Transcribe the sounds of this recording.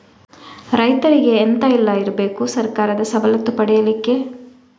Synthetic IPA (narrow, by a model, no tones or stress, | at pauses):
ɾɐjt̪ɐɾiɡe̞ːnt̪ailːaiɾbe̞ːkusɐɾkaːɾɐd̪ɐsɐbɐlɐt̪ːupɐɽɛjɐlikːe̞